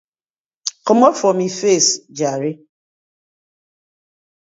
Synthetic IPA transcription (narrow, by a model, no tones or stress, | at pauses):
kɔmɔfɔmifesd͡ʒaɾɪ